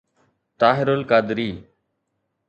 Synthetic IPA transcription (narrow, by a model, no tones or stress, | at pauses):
ʈaːɦɪɾolkaːd̪ɾiː